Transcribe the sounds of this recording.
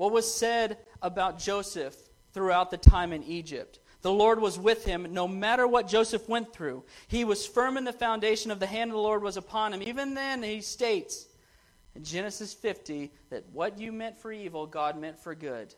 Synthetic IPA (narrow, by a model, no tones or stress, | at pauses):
wʌt̚wʌz̥sɛɾəbaʊt̚d̥ʒ̥oʊsɨf | θɹʉaʊt̪̚ðɨtʰãɪ̃mɨ̃nid͡ʒɪ̰p̚t̚ | ðəlɔɹd̚wʌzwɪð̥ɪ̃mnoʊmæɾə˞wʌt̚d̥ʒ̥oʊsɨfwɛ̃nθɹʉiwʌz̥fɜ̃˞mɨ̃nðɨfãʊ̃ndeɪʃɨ̃nʌvðɨɦæ̃ndʌvðəlɔɹd̚wʌzəpʰɑ̃nɨ̃mivɨ̃nðɨ̃nisteɪts | ɨ̃nd͡ʒɛnɨsɨsfɪftiðɨ̰t̚wʌt͡ʃɨmɛ̃ntfə˞ivl̩ˠɡɑd̚mɛ̃ntfə˞ɡʊ̰d̥